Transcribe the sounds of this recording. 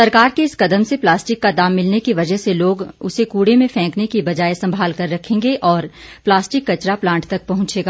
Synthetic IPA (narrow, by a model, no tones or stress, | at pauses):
sɐɾkaːɾkeɪskɐd̪əmseplaːsʈɪkːad̪aːmːɪlnekiʋɐd͡ʒəɦseloːɡʊsekuːɽemẽfʰɛ̃ːknekibɐd͡ʒaːesɐ̃mbʱaːlkɐɾːɐkʰẽːŋɡeʔɔːɾplaːsʈɪkːɐt͡ʃɾaplãːɳʈt̪ɐk̚pɐɦʊ̃nt͡ʃeːɡaː